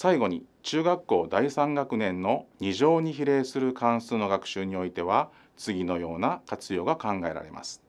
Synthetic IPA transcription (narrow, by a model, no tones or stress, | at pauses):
saiɡo̞ɲ̟ḭt͡ɕɨːɡakːo̞ːd̪aisãŋɡakɯ̟nẽ̞nːo̞ɲ̟iʑo̞ːɲ̟içiɾe̞ːsɨɾɯ̟kãɰ̃sɨno̞ɡakɯ̟̥ɕɨːɲ̟io̞it̪e̞β̞a | t͡sɨɡʲino̞jo̞ːnakat͡sɨjo̞ːɡakãŋɡae̞ɾa̰ɾe̞̰ma̰sɨ̥